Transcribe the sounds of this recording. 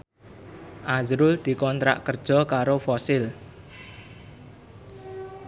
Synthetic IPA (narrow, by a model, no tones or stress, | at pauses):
ʔazɾʊld̪̥i̤kɔnt̪ɾa̰ʔkər̥ʒ̥ɔ̤kaɾofɔsɪl